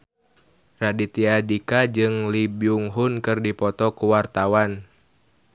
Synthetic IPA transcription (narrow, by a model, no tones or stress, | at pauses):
radit̪iadikad͡ʒɨŋlibiuŋɦunkɨrdipɔt̪ɔkuwart̪awan